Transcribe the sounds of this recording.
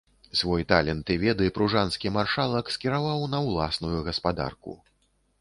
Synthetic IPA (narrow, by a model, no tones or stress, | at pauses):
svɔjt̪alʲɛnt̪ɨvʲɛd̪ɨpɾuʐanskʲimarʂalˠɐkskʲiɾavawnɐwlˠasnujuɣɐspad̪a̰rkṵ